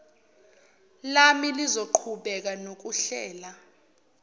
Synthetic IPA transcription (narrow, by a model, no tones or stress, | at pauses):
lamilizoǃʰuɓɛk̬anok̬uɬɛːla